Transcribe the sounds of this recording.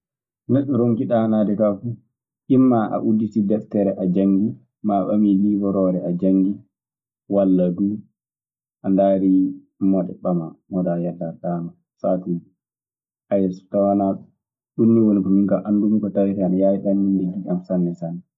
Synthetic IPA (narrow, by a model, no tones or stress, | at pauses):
neɗːuɾoŋkiɗanadɛkafu | ʔimːaʔa̰ʔudːitidɛftɛɾɛʔad͡ʒaŋɡi | maɓa̰milibɔɾɔːɾɛad͡ʒaŋɡi | walːaduː | ʔandaːɾi | mɔɗɛɓamamɔdajalːaɗaːna | satid͡ʒi | ʔajɛsu̥tawanaɗu | ɗunːiwonikɔmiŋkaʔandumkɔtawitanjajiɗanːindeɡiamsanːɛsanːɛ